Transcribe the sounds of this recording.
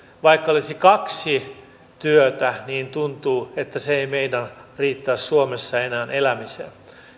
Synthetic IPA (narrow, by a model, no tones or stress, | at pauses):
ʋɑikːɑolisikɑksi | t̪yøt̪æniːnt̪unt̪uːet̪ːæseeimeidæriːt̪ːæːssuomesːɑenæːnʔelæmisḛ